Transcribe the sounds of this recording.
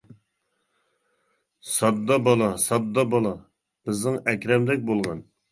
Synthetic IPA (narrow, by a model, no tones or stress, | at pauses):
sɑd̪ːɑbɑlˠɑsɑd̪ːɑbɑlˠɑ | b̥ɪznɪŋɛkʲɾɛmd̪ɛk̚ʲbolˠʁɑn